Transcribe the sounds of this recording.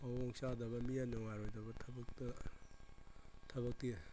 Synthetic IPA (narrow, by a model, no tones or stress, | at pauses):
awɔŋsadɐbɐmijanoŋaɾojdɐbɐtʰɐbɐk̚tɐ | tʰɐβɐk̚ti